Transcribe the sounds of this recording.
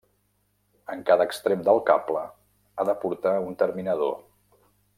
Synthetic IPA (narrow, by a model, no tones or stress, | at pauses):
əŋkaðəːkst̪ɾemd̪əlˠkaplə | aðəpuɾt̪aunt̪əɾminəðo̰